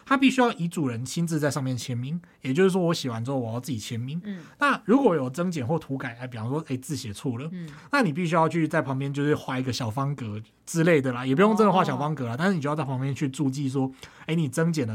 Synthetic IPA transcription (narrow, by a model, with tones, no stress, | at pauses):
t̪ʰa˥pi˥˩ɕy˥jɑ˥˩ʊʔi˧˥t͡su˨˩ɻə˧˦nt͡ɕʰi˥nt͡sɹ̩˥˧t͡sa˥˧ɪʂɑ˥˧ŋmjɛ˥˩nt͡ɕʰjɛ˧˥nmi˥ŋ | jɛ˨˩t͡ɕjo˥˧ʊʂ̩˥˩ʂwwɔ˧˦˥ɕi˨˩wa˧˦nt͡s̩˥xo˥˩˨wɔ˨˩jɑ˥˧ʊt͡s̩ɹ̩˥˩t͡ɕi˨˩t͡ɕʰjɛ˧˥nmi˧˥ŋna˥˩ɻu˧˥kwɔ˧˦jo˨˩ʊt͡sə˥ŋt͡ɕjɛ˨˩nxwɔ˥˩t̪ʰu˧˥ka˨˩ɪla˧˥ɪpi˨˩fɑ˥ŋʂwɔ˥ʔe˧˥˩ɪt͡sɹ̩˥˩ɕɛ˨˩t͡sʰu˥˩lə˩na˥˩ni˨˩p̬i˥˩ɕ̬y˥jɑ˥˧ʊt͡ɕʰy˥˧t͡sa˥˩ɪpʰɑ˧˥ŋp̬jɛ˥nt͡ɕjo˥˧ʂ̩˥˩xwa˥˧i˧ɡə˨ɕjɑ˨˩ʊfɑ˥ŋkɤ˧˦ | t͡sɹ̩˦le˥˩ɪd̪ə˩la˨jɛ˨˩p̬u˧˥˩jo˥ŋt͡sə˥nd̪ə˨˧xwa˥˩ɕjɑ˨˩ʊfɑ˥ŋkɤ˧˦la˨t̪a˥˧nʂ̩˥˧n˨o˥˧˥t͡spʰɑ˧˥ŋpjɛ˥nt͡ɕʰy˥˧ʈ͡ʂu˥˧t͡ɕi˥˧s̬wɔ˦˥e˥˩ɪni˨˩t͡sə˥ŋt͡ɕjɛ˨˩ndə˩